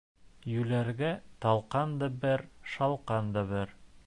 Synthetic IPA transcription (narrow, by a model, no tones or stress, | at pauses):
jʉlæɾɡæt̪ɑlˠqɑnd̪ɑbɘɾʃɑlˠqɑnd̪ɑβɘɾ